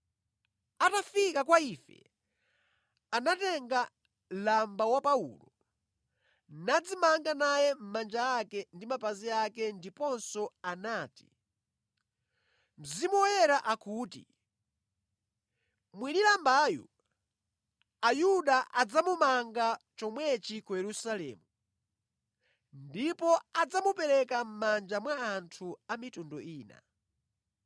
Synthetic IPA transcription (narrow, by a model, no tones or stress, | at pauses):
atafikakwaifɛ̰ | anatɛŋɡa | lambawapaṵlɔ | nad͡zimaŋɡanajɛm̩mand͡ʒaakɛndimapaziakɛndipɔnsɔanaːti̥ | m̩zimɔjɛɾaʔakuːtḭ | mwinilambaːjṵ | ajuɗaʔad͡zamumaŋɡat͡ʃɔmwɛt͡ʃikujɛɾusalɛ̰ːmu | ndipɔad͡zamupɛɾɛkam̩mand͡ʒamwaːntʰuamitundɔiːna̰